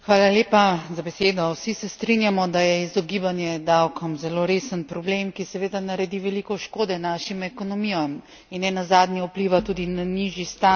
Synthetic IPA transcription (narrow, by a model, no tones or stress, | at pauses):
xʋaːlaljeːpazabɛseːd̪ɔwsisɛst̪ɾinjamɔd̪ajɛizɔɡibanjɛd̪awkɔmzɛloːɾeːsənpɾɔblemkisɛʋeːd̪anaɾɛd̪iʋɛlikɔʃkoːd̪ɛnaʃimɛkɔnɔmijɔm | inːɛnazaːd̪nɛupliʋat̪uːd̪inaniʒist̪a